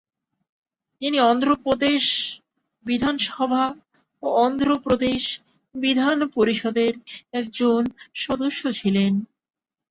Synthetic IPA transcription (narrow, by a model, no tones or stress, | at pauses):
t̪iniɔnd̪ɾopɾod̪eʃ | bid̪ʱanʃɔbʱa | oɔnd̪ɾopɾod̪eʃ | bid̪ʱanpoɾiʃɔd̪eɾɛk̚d͡ʑonʃɔd̪oʃːot͡ɕʰilen